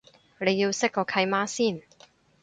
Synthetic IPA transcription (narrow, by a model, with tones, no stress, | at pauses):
nle˨˧jjiː˧wsɪ˥k̚kːɔː˧kʰɐ˧jmaː˥siː˥˩n